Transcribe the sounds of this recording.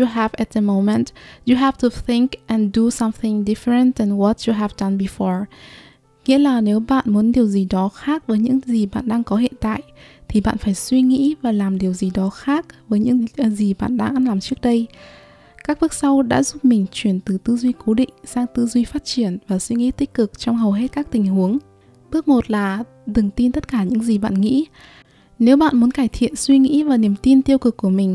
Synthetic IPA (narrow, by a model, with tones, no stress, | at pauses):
ju˨ɦɛ˨vɛ˨t̚ðə˧mo˧mɛ˨ntju˨ɦɛ˨˧vtu˨θi˧ŋkʔɛ̃˨ndu˨˧sa˧mθɪ˧ŋdi˦fəɹə̃˨ntɛ˨nwɔ˨t̚ju˨ɦɛ˨vda˨˧nbi˧fɔ˦˥ɹ | ŋḭ˧˥əlaː˨˩ne˨˦wɓa̰ː˧˨nmu˨˦ənɗi˨˩əwzi˨˩ɗɔ˨˦xaː˦˥k̚vəː˨˦jɲɨ̰˧˥ŋzi˨˩ɓa̰ː˧˨nɗaː˧ŋkɔ˨˦ɦḭ˧˨ənt̪a̰ː˧˨jʔt̪ʰi˨˩ɓa̰ː˧˨nfaː˧˩jswi˧ŋḭ˧˥vaː˨˩laː˨˩mɗi˨˩əwzi˨˩ɗɔ˨˦xaː˦˥k̚vəː˨˦jɲɨ̰˧˥ŋzi˨˩ɓa̰ː˧˨nɗaː˧ŋʔa˧nlaː˨˩mt͡ɕɨ˦˥ək̚ɗə˧j | kaː˦˥k̚ɓɨ˦˥ək̚sa˧wɗa̰ː˧˥zu˦˥p̚mï˨˩ŋ̟t͡ɕwi˧˩ənt̪ɨ˨˩t̪ɨ˧zwi˧ko˨˦ɗḭ˧˨ŋ̟saː˧ŋt̪ɨ˧zwi˧faː˦˥t̚t͡ɕi˧˩ənvaː˨˩swi˧ŋḭ˧˥t̪i˦˥k̟̚kɨ˨˩k̚t͡ɕɔ˧wŋ͡mɦə˨˩wɦe˦˥t̚kaː˦˥k̚t̪ï˨˩ŋ̟ɦu˨˦əŋ | ɓɨ˦˥ək̚mo˨˩t̚laː˨˩ | t̪ɨ˨˩ŋt̪i˧nt̪ə˦˥t̚kaː˧˩ɲɨ̰˧˥ŋzi˨˩ɓa̰ː˧˨nŋḭ˧˥ | ne˨˦wɓa̰ː˧˨nmu˨˦ənkaː˧˩jt̪ʰḭ˧˨ənswi˧ŋḭ˧˥vaː˨˩ni˨˩əmt̪i˧nt̪i˧əwkɨ˨˩kːu˧˩əmï˨˩ŋ̟